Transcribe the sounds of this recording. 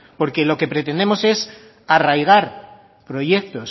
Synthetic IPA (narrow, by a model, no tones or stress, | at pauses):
po̞ɾke̞lo̞ke̞pɾet̪e̞nd̪e̞mo̞se̞s | arajɣ̞aɾ | pɾo̞je̞k̚t̪o̞s